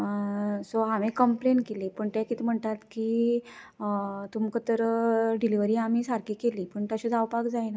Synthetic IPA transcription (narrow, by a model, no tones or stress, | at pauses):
soamẽkəmplenkeliːpəɳt̪ɛkit̪im̤əɳt̪at̪kiː | t̪umkət̪əɾɖiliʋəɾiːam̤iːsaɾkiːkeliːpəɳt̪aɕit͡sawpakd͡zajna